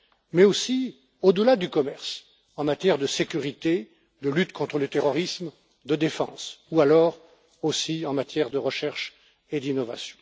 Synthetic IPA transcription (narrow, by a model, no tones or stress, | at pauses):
mɛosi | od̪əlad̪ykɔmɛʁs | ɑ̃mat̪jɛʁd̪əsekʲyʁit̪e | d̪əlyt̪kɔ̃t̪χələt̪eʁɔʁism | d̪əd̪efɑ̰̃sualɔʁ | osiɑ̃mat̪jɛʁd̪əʁəʃɛʁʃ | ed̪inɔva̰sjɔ̥̃